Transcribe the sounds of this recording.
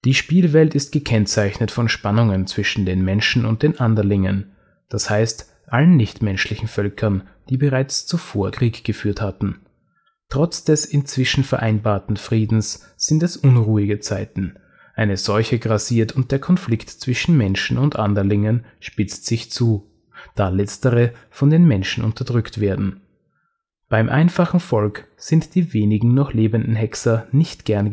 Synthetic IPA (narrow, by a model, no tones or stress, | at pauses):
d̥iːʃpiːlvɛltɪst̚ɡ̥əkʰɛnt͡saɪçnətfɔnʃpanʊŋənt͡sv̥ɪʃn̩deːnmɛnʃn̩ʊnt̚d̥eːnʔandɐlɪŋən | d̥ashaɪst | ʔalənːɪçtmɛnʃlɪçn̩fœlkʰɐnd̥iːbəʁaɪt͡st͡sufoːɐkʁ̥iːkɡ̥əfyːɐthatn̩ | tʁ̥ɔt͡sd̥ɛsɪnt͡sv̥ɪʃn̩fɛɐʔaɪnbaːɐtn̩fʁ̥iːdn̩s | z̥ɪntɛsʔʊnʁuːɪɡət͡saɪtn̩ | ʔaɪnəz̥ɔlçəɡʁaziːɐtʰʊnt̚d̥eːɐkʰɔnflɪktt͡sv̥ɪʃn̩mɛnʃn̩ʊntʔandɐlɪŋənʃpɪt͡stz̥ɪçt͡suː | d̥aːlɛt͡stəʁəfɔndeːnmɛnʃn̩ʔʊ̰ntɐdʁʏktv̥eːɐdn̩ | b̥aɪmʔa̰ɪnfaχn̩fɔlk | z̥ɪntd̥iːveːnɪɡŋ̩nɔχleːbəndn̩ɦɛksɐnɪçtɡ̥ɛɐn